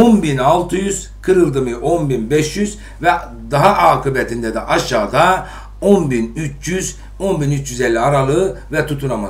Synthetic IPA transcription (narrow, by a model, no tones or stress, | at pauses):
onbinalˠt̪ʰɯjyz̥ | kʰɯɾɯlˠd̪ɯmɯʔonbinbɛʃjyz̥ | vɛ | d̪aɦaʔaːkʰɯbɛt̪ʰind̪ɛd̪ɛʔaʃaːd̪a | o̞nbinyt͡ʃjyz | o̞nbinyt͡ʃjyzɛlʲːiaɾalˠɯːvɛt̪ʰut̪ʰunama